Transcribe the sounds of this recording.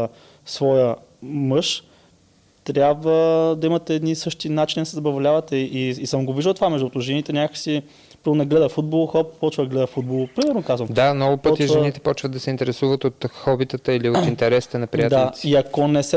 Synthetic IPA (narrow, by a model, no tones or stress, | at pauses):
svɔjə | mɤʃ | t̪ɾʲjabvəd̪ɐimɐt̪ɛːd̪nisɤʃt̪inat͡ʃinid̪ɐsɛzɐbɐvlʲavɐt̪ɛʔiːsəmɡoviʒd̪əlˠt̪ovamɛʒd̪ut̪ʊʒɛnit̪ɛnʲakəksi | pɾəɾnɛɡlɛd̪əfud̪̚bolˠoxɔppɔt͡ʃvəd̪ɡlɛd̪əfud̪̚bolˠopɾimɛɾnokazvɐmd̪amnɔɡʊpɤɔt̪iʒɛnit̪ɛ̥pɔt͡ʃvət̪̚d̪ɐsɛint̪ɛɾɛsuvət̪ot̪xɔbit̪ət̪əiliot̪int̪ɛɾɛsi̥t̪ɛnɐpɾijat̪d̪aaiɐkonɛsɛ